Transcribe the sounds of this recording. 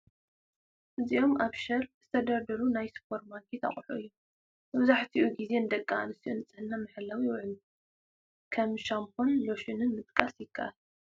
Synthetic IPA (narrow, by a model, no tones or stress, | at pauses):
ʔɨziʔo̞mʔaβʃɐɾz̥ɨt̪ʰɐd̪ɐɾd̪ɐɾunajspʰo̞ɾmaɡʰet̪ʰa̰χʼħṵɨjːu | mɐβzaħt̪ʰiʔuɡize̞nɨd̪ɐkʼːa̰nɨsiunɨt͡sʼɐnːamɐħɨlawiwʊʕn | kʰɐmʃampʰonloʃɨnɨnmɨt̪ʼkʼasjɪkʰːa̰ʔ